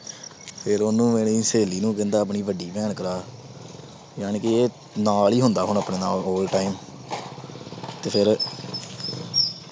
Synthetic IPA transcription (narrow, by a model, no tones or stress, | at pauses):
pʰɪɾoːnũːmeːɽiːseːliːnũːkɪ̃nd̪aːəp̬ɳiːbəɖiːpɛːɳkəɾaː | jaːneːkɪeː | naːliːɦʊnd̪aːɦʊɳ̃əpɳeːnaːloːlʈaːɪm | t̪eːpʰɪɾ